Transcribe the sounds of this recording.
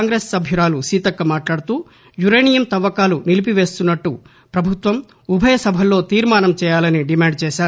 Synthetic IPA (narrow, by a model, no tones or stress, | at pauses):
ŋɡɾeːsːɐbʱjuɾaːlusiːt̪ɐkːɐmaːʈlaːɽut̪uː | juɾejnijɐmt̪ɐʋːɐkaːlunilipiʋe̞ːst̪unːɐʈːu | pɾɐbʱut̪ʋɐm | ubʱɐjɐsɐbʱɐlo̞ːt̪iːɾmaːnɐmt͡ʃɛːjaːlɐniɖimaːɳɖt͡ʃɛːʃaːɾ